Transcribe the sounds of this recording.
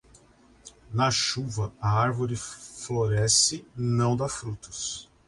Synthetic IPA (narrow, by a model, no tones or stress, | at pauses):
nɐʃuvɐɐaɾvoɾɪfloɾɛsɪnɐ̃w̃d̪afɾut̪ʊ̥s